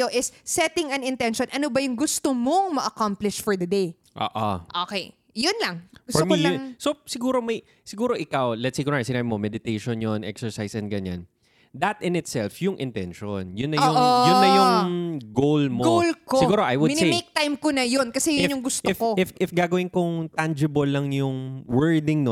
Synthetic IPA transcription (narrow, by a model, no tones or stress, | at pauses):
oʔɪsːɛt̪ɪ̃ŋɐ̃nɪnt̪ɛnʃonʔɐnobɐjʊŋɡʊst̪omoŋmɐʔɐkamplɪʃfɔɹd̪ɐd̪ej | ʔo̰ːʔoʔokɛj | jʊnlɐŋɡʊfɔmsosɪɡuːɾo̞mɐj | sɪɡuːɾo̞ʔɪkawlɛt̪sejkɔnasɪnaːbɪmomɛd̪ɪt̪ejʃonjonʔɛ̰ksɛɹsajsʔɐnɡɐɲa̰n | d̪ɐt̪ɪnɪt̪sɛlfjʊŋʔɪnt̪ɛ̰nʃo̰njʊnːɐjʊŋjʊnːɐjʊŋɡowlmoɡowlkosɪɡuːɾoʔajwʊdmɪnsejejk̚t̪ajmkonɐjonkɐsɛjʊnjʊŋɡʊst̪ɪfkoɪfʔɪfɡaːɡɐwɪnkʊŋt̪and͡ʒɪbɐlːɐŋjʊŋwɛɹd̪ɪŋno